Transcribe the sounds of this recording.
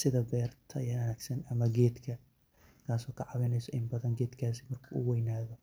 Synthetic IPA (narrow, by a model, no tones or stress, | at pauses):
sɪðɐbɛːrt̪ʰɐjaːnɐnaːɡsɐnɐmɐɡɛːd̪kʰɐ | kʰaːsɔːkʰɐʕɑβɛnɛjsɔʔɪmbɐðɐŋɡɛːd̪kʰaːsi̥mɐrkʰuːʔʊ̰wɛjnaːðɔ